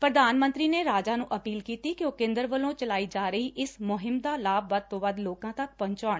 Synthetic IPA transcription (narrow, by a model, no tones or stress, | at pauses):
pɾəd̪aːnmənt̪ɾiːneːɾaːd͡ʒaːnũːʔəpiːlkiːt̪iːkɪoːkẽːnd̪əɾʋəlõːt͡ʃəlaːiːd͡ʒaːɾəiːʔɪssmʊɦɪmd̪aːlaːbʋəd̪̚t̪õːʋəd̪loːkãːt̪ɐk̚pəɲt͡ʃaːɳ